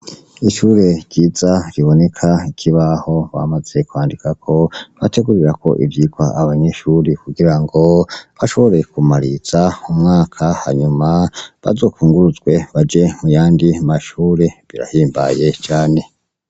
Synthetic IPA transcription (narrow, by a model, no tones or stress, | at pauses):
iʃuɾe̞ɟɟiːzaɾiβo̞ne̞kʰaikʰiβaho̞βa̰maz̥e̞kwaːndikʰakʰo̞βa̰te̞ɡuɾiɾako̞̰ʔivjiːɡwa̰ʔaβaɲe̞ʃuɾekuɡiɾaŋɡo̞βaʃo̞βo̞ɾe̞kumaɾiz̥aumŋaːkʰaha̰ɲumaβa̰zo̞ːkuːŋɡuɾuzɡwe̞βad͡ʒe̞mujaːndiamaʃuːɾe̞βiɾa̰hiːmba̰je̞t͡ʃaːne̞